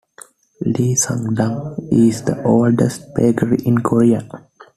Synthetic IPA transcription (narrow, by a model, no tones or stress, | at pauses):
liːsə̰̃ŋɖãmizd̪əʔoːlɖesʈ̚beɡəɾiʔĩnkʰoɾia